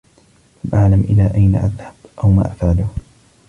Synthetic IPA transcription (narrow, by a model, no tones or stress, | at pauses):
lamʔaʕlamʔɪlaːʔajna̰ʔaðhabʔawma̰ːʔafʕalʊh